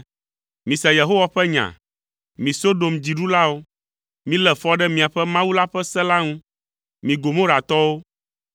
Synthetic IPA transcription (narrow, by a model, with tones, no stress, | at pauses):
mĩ˨sɛ˨je˨ɦo˦wa˦ɸɛ˦ɲã̰˨ | mĩ˨so˦ɖo˨md͡ʑi˨ɖu˦la˦wo˦ | mĩ˦lɛ˨fɔ˦ɖɛ˦mĩ˨a˨ɸɛ˦mã˦wu˦la˦ɸɛ˦sɛ˦la˦ŋũ˦ | mĩ˨ɡo˨mõ˦ɾa˨t̪ɔ˦wo˦